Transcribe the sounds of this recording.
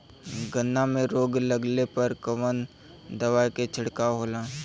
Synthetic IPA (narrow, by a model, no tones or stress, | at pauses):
ɡənːamẽɾoːɡləɡlepəɾkəʋən | d̪ɐʋaːjket͡ʃʰɪɽkaɦoːlãː